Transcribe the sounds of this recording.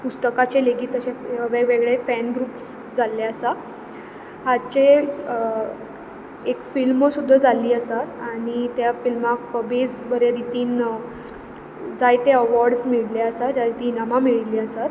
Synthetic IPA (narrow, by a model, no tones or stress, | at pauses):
pust̪əkat͡ɕeleɡiːt̪əɕeəʋeʋeɡɭefænɡɾuːps | d͡zalːeəsa | ɦat͡ɕe | ekfilmsud̪ʱːad͡zaliːəsat̪aɽ̃it̪jafilmakfəbed͡zbəɾeɾit̪iːn | d͡zajt̪eəʋɔɾɖsmiɭlaəsad͡zajt̪inamamiɭiliːəsat̪